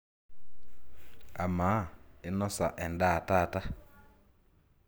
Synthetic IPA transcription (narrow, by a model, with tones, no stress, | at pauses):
a˨ma˨˦ɪ˦nɔ˦sa˨ʔɛ˨nda˦˨ta˦˨ta˦